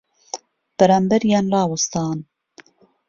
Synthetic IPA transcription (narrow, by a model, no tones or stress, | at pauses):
b̥ɛɾɑːmbɛɾjaːnlɑːwust̪ɑːn